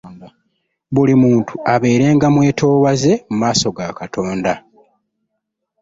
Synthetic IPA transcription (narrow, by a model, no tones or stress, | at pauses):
βulimuːntuaβe̞ːɾe̞ːŋɡamwe̞ːtʰo̞ːwaze̞mumaːso̞ɡakatʰo̞ːnda